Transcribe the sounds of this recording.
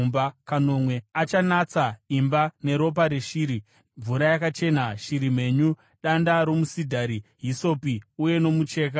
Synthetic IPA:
mbakano̞mwe̞at͡ʃanat͡saimbane̞ɾo̞p̬aɾeʃiːɾi | ɱvuɾajakat͡ʃe̞naʃiɾim̤e̞ɲu | ɗandaɾo̞musidʱaɾiɦiso̞piuje̞no̞mut͡ʃe̞ːk̬a

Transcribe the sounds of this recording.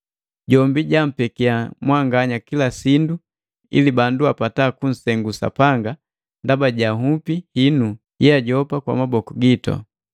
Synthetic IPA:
ɟɔmbiɟam̩pɛkiamwaŋɡaɲakilasindu | ḭlibanduapataːkun̩sɛŋɡusa̰paŋɡa | ndabaɟaɦupihinu | jɛaɟɔpakwa̰mabɔkuɡitɔ̰

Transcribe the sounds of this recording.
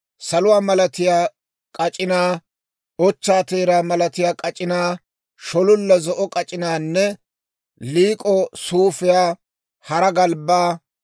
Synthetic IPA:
sɐlʊwaːmɐlɐt̪ɪjaː | kʼɐt͡ʃʼɪnaː | ɔt͡ʃːaːt̪eːɾaːmɐlɐt̪ɪjaːkʼɐt͡ʃʼɪnaː | ʃɔlʊlːɐzɔʔɔkʼɐt͡ʃʼɪnaːnːɛ | liːkʼɔsuːfɪjaː | hɐɾɐɡɐlbaː

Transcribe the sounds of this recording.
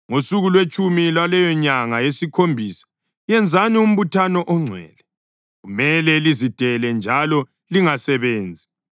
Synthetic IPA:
ŋosuɣulwet͡ʃʼumilwalɛjɔɲaŋajesikʰombʱiːsḁ | jɛnd͡zʱanium̩βutʰanɔʔɔŋ͡ǀʱwɛ̰ːlɛ | ɣumɛlɛlizid̥ʱɛlɛnd͡ʒʱalɔ | liŋasɛβeːnd͡zʱi

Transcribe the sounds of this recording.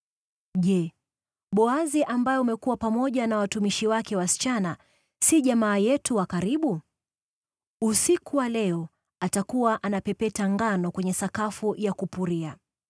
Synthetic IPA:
ʄɛ | ɓɔaziʔambajɔumɛkuwapamɔʄanawatumiʃiwakɛwasi̥t͡ʃana | siʄamaːjɛtuwakaɾiɓu | usikuwalɛɔ | atakuwaʔanapɛpɛtaŋɡanɔkwɛɲɛsakafujakupuɾia

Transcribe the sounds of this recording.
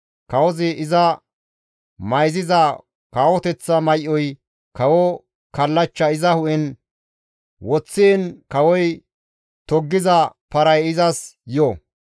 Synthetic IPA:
kɐwɔzɪʔɪzɐ | mɐjzɪzɐ | kaːwɔt̪ɛt͡sːɐmɐjʔːɔj | kɐwɔ | kɐlːɐt͡ʃːɐɪzɐhʊʔɛn | wɔt͡sːeːnkɐwɔj | t̪ɔɡːɪzɐpɐɾɐjɪzɐsjɔ

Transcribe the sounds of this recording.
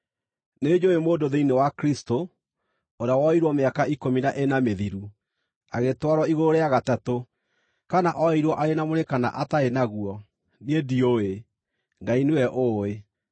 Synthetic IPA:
ned͡ʒoemoːdoðeinewakɾisto | oɾeawɔiɾwɔmeakaikominaʔenameðiɾu | aɣetwaɾwɔiɣoɾeaɣatato | kanaʔɔiɾwɔʔaɾenamoɾekana̰ʔataenaɣuɔ | nedioe | ŋɡainewɛʔoe

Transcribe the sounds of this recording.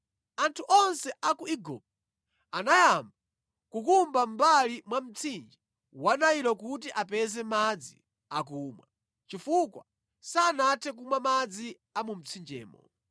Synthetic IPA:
antʰuʔɔnsɛʔakuiɡɔ̰p̚ | anajamba | kukumbam̩balimwam̩t͡sʰind͡ʒi | wanaiɾɔkutiʔapɛzɛmad͡zi | ak̬uːmwa | t͡ʃifukwa̰ | saːnatʰɛk̬umwamad͡zi | amum̩t͡sʰind͡ʒɛ̰ːmɔ̰

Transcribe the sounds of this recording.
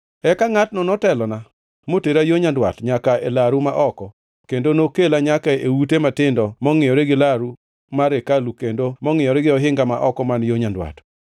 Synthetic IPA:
ɛkaŋat̚nɔnɔtɛlɔna | moteɾajoɲandwa̰tɲakaelaɾumaʔɔkɔ | kendonokelaɲakaewutematɪndɔmɔŋɪjɔɾeɡɪlaɾu | maɾekalukendomɔŋɪjɔɾɛɡɪɔɦɪŋɡamaʔɔkɔmanjoɲandwa̰t

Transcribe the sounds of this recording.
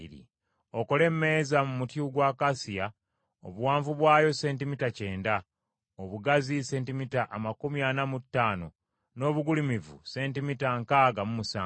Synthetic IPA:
ɾḭ | o̞ko̞le̞mːe̞ːzamumutjuɡwaːkasija | o̰βuwaːɱvuβwaːjo̞se̞ːntimitace̞ːnda | oβuɡazise̞ːntimitaʔamakumjanamutːaːno̞̰ | no̞ːβuɡulimivṵse̞ːntimitaŋkaɡamumusaː

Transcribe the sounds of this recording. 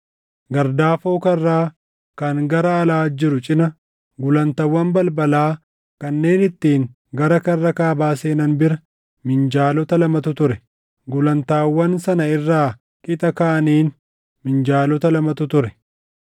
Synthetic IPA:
ɡɐɾd̪aːfo̞ːkɐrːaː | kɐŋɡɐɾɐːlaːd͡ʒɪɾʊt͡ʃʼɪnɐ | ɡʊlɐnt̪ɐwːɐnbɐlbɐlaː | kɐnːe̞ːnɪt̪ːiːŋ | ɡɐɾɐkɐrːɐkaːbaːse̞ːnɐnbɪɾɐ | mɪnd͡ʒaːlɔt̪ɐlɐmɐt̪ʊt̪ʊɾɛ | ɡʊlɐnt̪aːwːɐnsɐnɐɪrːaː | kʼɪt̪ʼɐkaːʔɐniːn | mɪnd͡ʒaːlɔt̪ɐlɐmɐt̪ʊt̪ʊɾɛ

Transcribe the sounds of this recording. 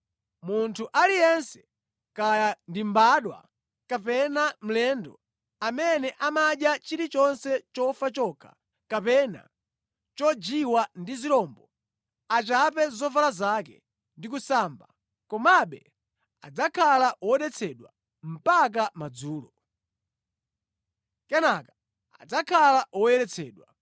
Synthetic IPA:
muntʰuʔalijɛnsɛ̥ | kajandimbaɗwa̰ | kapɛnam̩lɛndɔ | amɛnɛʔamaɗjat͡ʃiɾit͡ʃɔnsɛt͡ʃɔfat͡ʃɔkʰḁ̰ | kapɛna̰ | t͡ʃɔd͡ʒiwandiziɾɔmbɔ | at͡ʃap̬ɛzɔvalazakɛ̰ | ndik̬usaːmba | kɔmaɓɛ | ad͡zakʰalaʔwɔɔɗɛt͡sʰɛɗwa | m̩pak̬amad͡zuːlɔ | kɛnaka | a̰d͡zakʰalaʔwɔjɛɾɛt͡sʰɛːɗwa

